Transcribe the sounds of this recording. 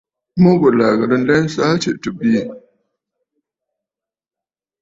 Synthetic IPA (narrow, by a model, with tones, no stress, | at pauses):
mo˦ɡo˨la˨ɡɐ˨ɾɪ˦nlɛ˦n˦sa˦t͡ʃe˨tu˨bi˦˨